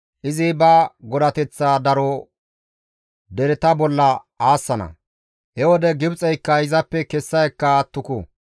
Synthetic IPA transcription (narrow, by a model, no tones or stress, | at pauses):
ʔɪzɪbɐɡɔd̪ɐt̪ɛt͡sːaːd̪ɐɾɔ | d̪ɛɾɛt̪ɐbɔlːɐ | aːsːɐnɐ̰ | hɛwɔd̪ɛɡɪbt͡sʼɛjkːɐɪzɐpːɛkɛsːɐjɛkːɐːt̪ːʊkʊ̰